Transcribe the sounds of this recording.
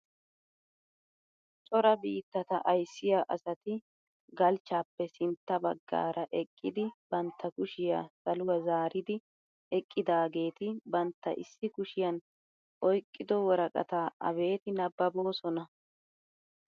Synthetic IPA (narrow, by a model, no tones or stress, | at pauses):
t͡ʃʼɔɾɐbiːt̪ːɐt̪ɐʔɐjsːɪjaʔɐsɐt̪ɪ | ɡɐlt͡ʃːaːpːɛsɪnt̪ːɐbɐɡːa̰ːɾɐʔɛkʼːɪd̪ɪb̥ɐnt̪ːɐkʊʃɪjasɐlʊwɐzaːɾɪd̪ɪ | ɛkʼːɪd̪aːɡe̞ːt̪ɪbɐnt̪ːɐ̰ʔɪsːɪkʊʃɪjɐn | ʔɔjkʼːɪd̪ɔwɔɾɐkʼɐ̰t̪aʔɐ̰βe̞ːt̪ɪnɐbːɐbo̞ːsɔnɐ